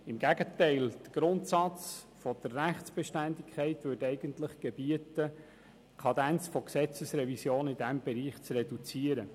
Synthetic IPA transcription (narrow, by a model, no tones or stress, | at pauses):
ɪmɡæɡətɛɪld̥əɡ̥ɾʊnt̪sɑt͡s | fɔd̥ərːæχtsb̥ɛʃtændikʰχɛɪtʋʏɾtɛɪɡ̥əntləχɡ̥ebiətə | kʰɑd̪ænt͡sfɔksɛt͡səsɾɛvisjoːnɪdæmb̥ɛɾiːχt͡srɛdut͡siəɾə